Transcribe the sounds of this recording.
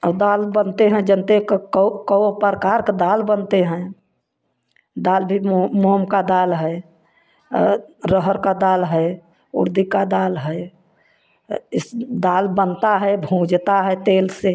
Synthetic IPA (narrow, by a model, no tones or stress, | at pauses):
əbd̪albənt̪eɦɛ̃d͡ʒənt̪ekkkəopəɾkaɾkd̪albənt̪eɦɛ̃ | d̪albʱimmomkad̪alɦɛ | ɾəɦəɾkad̪alɦɛ | ṵɾd̪ikad̪alɦɛ | ɪsd̪albənt̪aɦɛbʱũd͡ʒt̪aɦɛt̪else